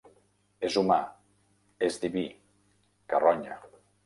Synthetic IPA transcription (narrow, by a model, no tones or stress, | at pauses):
ezuma | ezd̪iβi | karɔɲa